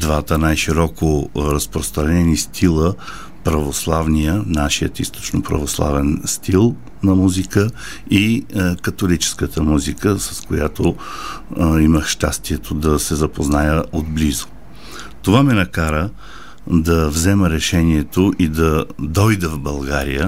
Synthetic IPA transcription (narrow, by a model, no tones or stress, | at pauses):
d̪vat̪ənajʃiɾɔkoɾəspɾost̪ɾɐnɛnist̪ʰilˠə | pɾɐvoslˠavnijənaʃijət̪ist̪o̥t͡ʃnopɾɐ̰voslˠa̰vɛnst̪ilˠ | nɐmuzikə | ikɐt̪olit͡ʃɛ̥skət̪əmuzikəsɐskojat̪o | iməxʃt̪a̰st̪iɛt̪ʰod̪ɐsɛzɐpoznajəʔod̪blizo̥ | t̪ovamɛnɐkaɾə | d̪ɐvzɛməɾɛʃɛniɛt̪oʔid̪ɐd̪ɔjd̪ɛvbɐlˠɡaɾḭjə